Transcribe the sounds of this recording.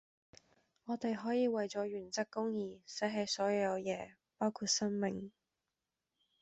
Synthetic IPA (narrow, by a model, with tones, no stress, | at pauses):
ŋɔː˨˧t̪e˨jɦɔː˨˥jiː˨˧wɐ˨jt͡sɔː˨˥ɥyː˨˩nt͡sɐ˥kːʊ˥ŋjiː˨˧sɐ˨˥ɦɐ˨˧jsɔː˨˥jɐ˨˧wjɛː˨˧ | paː˥wkʰuː˧t̚sɐ˥nmɪ˨ŋ